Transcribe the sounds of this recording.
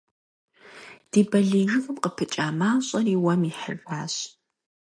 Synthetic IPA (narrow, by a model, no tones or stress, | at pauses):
d̥iːbɐɮiːʒɨɣɨmqəpʰɨt͡ʃʼaːmaːɕʼɐriːwɐmiħə̰raːɕ